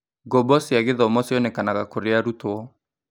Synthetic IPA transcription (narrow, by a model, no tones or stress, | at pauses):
ɡɔbɔsiaɣeðɔmɔsjɔnɛkanaɣakoɾeaɾutoɔ